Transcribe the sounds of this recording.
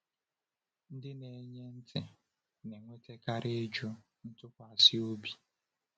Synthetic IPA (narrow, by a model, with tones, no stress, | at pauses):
n̩˦dɪ˦ne˨˦ɲe˦n̩˦tʰɪ˨ | ne˨ŋʷe˦te˦ka˦ɾɪ˦d͡ʒʊ˦ | n̩˦tʊ˦kʷa˨sɪ˦o˦bi˨